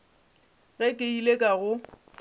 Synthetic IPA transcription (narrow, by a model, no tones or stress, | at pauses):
ɣɛkʼɪilekʼaɣʊ